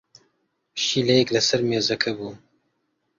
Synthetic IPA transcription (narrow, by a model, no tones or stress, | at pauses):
ʃiːlɛjɛklɐsɐɾmeːzɐkʰɐbuː